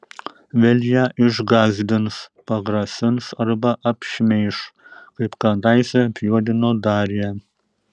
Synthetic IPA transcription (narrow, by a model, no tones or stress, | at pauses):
ʋʲɛlʲjɛʔɪʒɡɑːzʲd̪ʲɪnspɐɡɾɐsʲɪnsɐrbɐʔɐpʲʃʲmʲɛɪʃkɐɪpkɑd̪ɑːɪsʲɛpʲjuɔd̪ʲɪnoːd̪ɑːɾʲjɛ